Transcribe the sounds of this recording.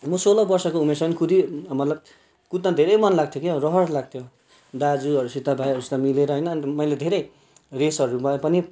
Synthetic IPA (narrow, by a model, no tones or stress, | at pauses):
mʌsolʌbʌrsʌkoumersʌʌnikʰud̪imʌt̪lʌb̚ | kut̪ːad̪ʱeɾʌjmʌnlaɡ̚t̪ʰjokeorʌɦʌɽlaɡ̚t̪ʰjo | d̪ad͡zuʌɾusit̪abʱajʌɾust̪amileɾʌɦʌjnʌːnimʌjled̪ʱeɾʌj | resʌɾumʌpʌni